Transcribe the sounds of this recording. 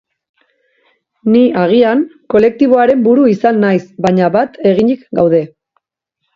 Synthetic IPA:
niaɣ̞iaŋko̞le̞k̚t̪iβ̞o̞aɾe̞mbuɾuisanːajsbaɲaβat̪e̞ɣ̞iɲikɡawð̞e̞

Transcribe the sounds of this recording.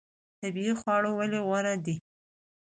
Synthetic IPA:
t̪abiixwɑɽowaleɣwaɾad̪i

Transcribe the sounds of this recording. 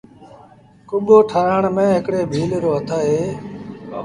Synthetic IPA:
kʊɓoːʈʰaːɾəːɳmẽːɦɪkɽeːbʱiːlɾoːɦət̪ʰaːɦeː

